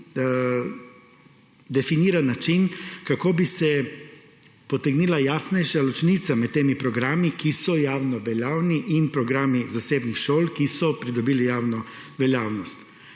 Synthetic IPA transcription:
d̪ɛfiniːɾanːat͡ʃinkakoːbisɛ | pɔt̪ɛɡniːlajaːsnɛjʃalɔt͡ʃnit̪samɛt̪ːeːmipɾɔɡɾaːmikisɔjaːwnɔʋɛljaːwniʔinpɾɔɡɾaːmizaseːbnixʃoːlkisɔpɾid̪ɔbiːlijaːwnɔ | ʋɛljaːwnɔst̪

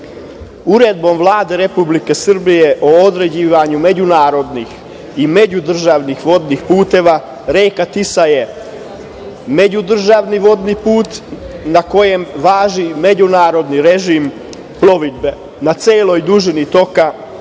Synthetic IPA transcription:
uɾe̞d̪̚bo̞mʋlˠaːd̪e̞ɾe̞publike̞sr̩bije̞ʔoːd̪ɾe̞d͡ʑiːʋaɲume̞d͡ʑunaːɾo̞d̪nix | ime̞d͡ʑud̪r̩ʒaʋnixʋo̞d̪nixpuːt̪e̞ʋa | ɾe̞ːjkat̪isaje̞ | me̞d͡ʑud̪r̩ʒaʋniʋo̞d̪nipuːt̪nako̞je̞mʋaːʒime̞d͡ʑunaːɾo̞d̪niɾe̞ʒim | plo̞ʋid̪̚be | nat̪seːlo̞jd̪uʒinit̪o̞ka

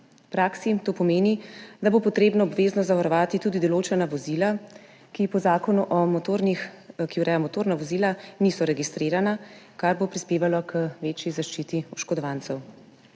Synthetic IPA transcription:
pɾaːksit̪oːpɔmeːnid̪abopɔt̪ɾeːbnɔɔbʋeːznɔzaʋaɾɔʋaːt̪it̪uːd̪id̪ɔloːt͡ʃɛnaʋɔziːla | kipɔzaːkɔnuʔɔmɔt̪oɾnixkiuwɾʔɛjamɔt̪oːɾnaʋɔziːlanisɔɾɛɡist̪ɾeːɾanakaɾbopɾispeːʋalɔkʰəʋeːt͡ʃjizaʃt͡ʃiːt̪iuʃkɔd̪ɔʋant̪sɛw

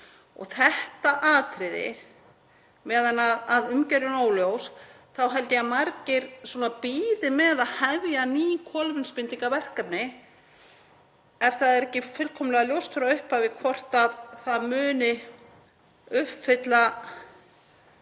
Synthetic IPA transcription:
ɔ̰ɣθɛht̪aʔaːt̪ɾɪðɪ̰ | mɛːðanaaðʏmcɛɾjʏnoːwljows | θawɦɛlt̪ɪamaɾcɪɾsuɔːnapiːðɪmɛðaðhɛvjaniːjkʰɔːlmɪnspɪnt̪iŋkavɛr̥kapnɪ | ɛfθaðɛɾɛhcɪfʏlkʰɔmlɛɣaljowst̪ʰʏɾaʏhpavɪkʰvɔr̥t̪aðθaðmʏːnɪ | ʏhpfɪt̪la

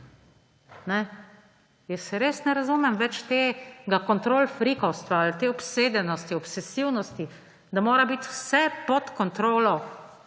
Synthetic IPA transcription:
nɛ | jɛsːɛɾeːsnɛɾazumɛmʋɛt͡ʃt̪eːɡakɔnt̪ɾoːlfɾikɔwst̪ʋaːlt̪eːɔpseːd̪ɛnɔst̪iɔpsɛsiwnɔst̪i | d̪amoːɾabit̪wsɛpɔt̪kɔnt̪ɾoːlɔ

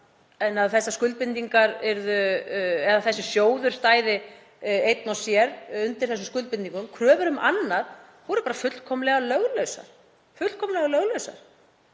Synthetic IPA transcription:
ɛnːaðθɛsːaskʏlt̪̚pɪnt̪iŋkaɾɛɾðʏɛðaθɛsːʏsjoːwðʏɾ̥st̪aːjðɪ | ejt̪̚nawsjɛɾʏnt̪ɪɾ̥θɛs̬ʏmskʏlt̪̚pɪnt̪iŋkʏmkʰɾœːvʏɾʏmʔanːað | vɔɾʏpaːɾafʏt̪lkʰɔmlɛɣalœɣlœɥsa̰ɾ̥ | fʏl̥kʰɔmlɛɣalœɣlœɥsa̰ɾ̥

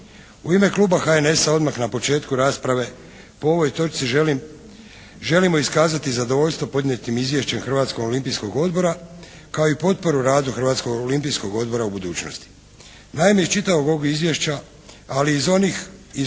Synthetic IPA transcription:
uime̞klˠuːbaxae̞ne̞sao̞d̪maxnapo̞t͡ʃe̞ːt̪kuɾaːspɾaʋe̞ | po̞o̞ʋo̞jt̪o̞t͡ʃ̪sii | ʒe̞limo̞iskaːzat̪izad̪o̞ʋo̞ʎst̪ʋo̞po̞d̪ɲe̞t̪imizʋjeʃt͡ʃe̞mxr̩ʋaːt̪skoɡolimpijsko̞ɡo̞d̪bo̞ɾa | kao̞ipo̞t̪̚po̞ɾuɾaːd̪uxrʋaːt̪sko̞ɡolimpijsko̞ɡo̞d̪̚bo̞ɾaubud̪uːt͡ʃno̰st̪i̥ | naimejet͡ʃit̪aʋo̞ɡoɡizʋjeʃt͡ɕaː | liːzo̞nixi

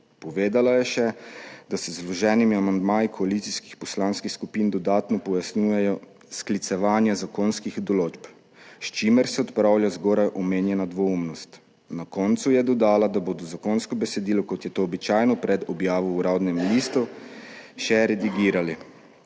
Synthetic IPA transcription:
pɔʋeːd̪alajɛʃɛd̪asɛzlɔʒɛːnimiamand̪maːjikʰɔalit̪siski̥xpɔslaːnskixskupiːnd̪ɔd̪aːt̪nɔpɔjasnuːjɛjɔ | sklit̪sɛʋaːnjazakoːnskixd̪ɔloːd͡ʒp | ʃt͡ʃiːmɛɾsɛɔt̪pɾawljazɡɔːɾajʔɔmeːnjɛnad̪ʋoumnɔst̪ | nakɔnt̪sujɛd̪ɔd̪aːlad̪aboːd̪ɔzakoːnskɔbɛsɛd̪iːlɔkɔt̪jɛt̪oːbit͡ʃaːjnɔpɾɛd̪ɔbjaːʋɔuɾawd̪nɛmliːst̪u | ʃɛɾɛd̪iɡiːɾali

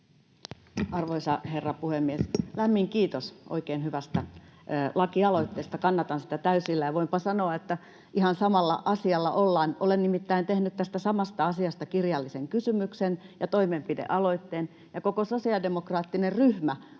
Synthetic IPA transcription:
ɑrʋoisɑherːɑpuhemːieslæmːiŋkiːt̪osʔo̰ikeːnhyʋæst̪ælɑkiɑloit̪ːeːst̪ɑkɑnːɑt̪ɑnsi̥t̪æt̪æysilːæjɑʋoimpɑsɑnoɑet̪ːæ | ʔihɑnsɑmɑlːɑ̰ʔɑsiɑlːɑ̰ʔolːɑːnʔolennimit̪ːæint̪ehnyt̪t̪æst̪æsɑmɑst̪ɑɑsiɑst̪ɑkirjɑlːiseŋkysymyksenjɑt̪oimempidḛʔɑloit̪ːeːn | jɑkokososiɑdemokrɑːt̪ːinerryhmæ

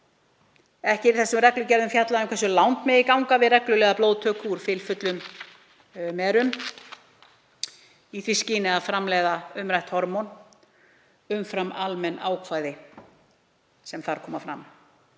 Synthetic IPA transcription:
ɛhcɪɾθɛsːʏmrɛklʏcɛɾðʏmfjat̪laðʏmkʰvɛs̬ːʏlawnt̪mɛðikawŋkavɪðrɛklʏlɛːɣaplowðt̪ʰœːkuɾ̥fɪlfʏt̪lʏm | mɛːɾʏm | iθviscɪːnɪaðfɾamlɛːɣðaʏmɾajht̪hɔɾmɔn | ʏmfɾamalmɛnaːwkʰvaːjðɪ | sɛmθaɾ̥kʰɔːmafɾa̰m

